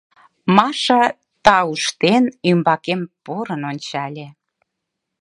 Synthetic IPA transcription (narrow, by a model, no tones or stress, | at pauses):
mɑʃɑ | t̪ɑuʃt̪enymbɑkempoɾənonʲt͡ɕɑlʲe